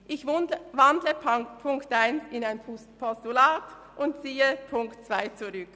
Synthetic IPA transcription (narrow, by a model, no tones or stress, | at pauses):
ʔɪçvandləpʰʊŋktaɪnɪnaɪn | pʰɔstulaːt | ʔʊntt͡siːəpʰʊŋktt͡sv̥aɪt͡suʁʏk